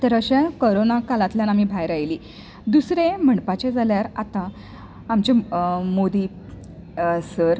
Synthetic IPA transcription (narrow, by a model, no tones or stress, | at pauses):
t̪əɾəɕakoɾonakalat̪ljanamiːbʱajɾajliː | d̪usɾẽm̤əɳpat͡ɕed͡zʱaljaɾat̪ãː | mt͡ɕemod̪i | səɾ